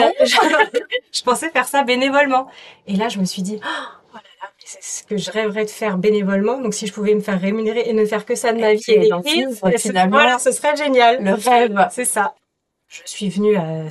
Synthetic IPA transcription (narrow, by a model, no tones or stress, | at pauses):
ɛʒ | ʒ̥əpɑ̃sɛfɛʁsabenevɔlmɑ̃elaʒəməsɥid̪i | olalamɛsɛsə̥kəʒəʁɛvəʁɛd̪əfɛʁbenevɔlmɑ̃d̪ɔ̃ksiʒəpuvɛməfɛʁːemyneʁeenəfɛʁkəsad̪əmavielẽizvwalasəsəʁɛʒenjalɛasɛsa | ʒəsɥivənya